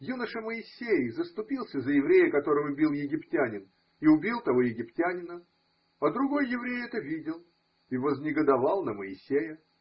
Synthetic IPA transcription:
junəʂəməɪsʲːejzəst̪ʊpʲilˠsʲəzəjɪvɾʲejəkɐt̪o̞ɾɨvʊbʲilˠjɪɡʲɪptʲanʲɪn | iʊbʲilˠt̪ɐvo̞jɪɡʲɪptʲanʲɪnə | ɐd̪ɾʊɡo̞jːɪvɾʲejɛt̪əvʲidʲɪlˠ | ivəznʲɪɡəd̪ɐvɑlˠnəməɪsʲːejə

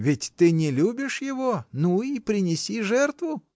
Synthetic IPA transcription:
vʲɪtʲt̪ɨnʲɪlʲubʲɪʂjɪvonuipɾʲɪnʲɪsʲiʐɛrt̪vʊ

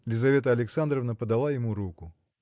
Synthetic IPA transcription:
lʲɪzɐvʲe̞t̪əɐlʲɪksand̪ɾəvnəpəd̪ɐlˠajɪmuɾukʊ

